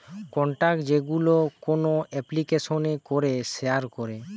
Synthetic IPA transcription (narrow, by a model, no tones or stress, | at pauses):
kɔɳʈakd͡ʑeɡulokonoʔɛplikesonekoɾesejaɾkɔɾe